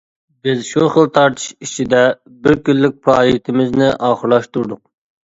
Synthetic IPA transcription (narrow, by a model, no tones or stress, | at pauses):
bɪzʃuχəlˠt̪ʰɑɾt̪ʰɨ̥ʃit͡ʃʰid̪ɛ | bɪɾkʲylːɪk̚ʲpʰɾɑːjik̚ʲt̪ʰɪmɪznɪʔɑːχəɾlˠɑʃt̪uɾd̪ʊq̚